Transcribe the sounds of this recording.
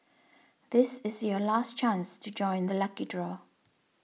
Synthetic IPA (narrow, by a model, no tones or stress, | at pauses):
ðɪsɪzjəlaˑst͡ʃʰãnstʰəd͡ʒɔ̃ɪ̃nðəlʌkidɹɔ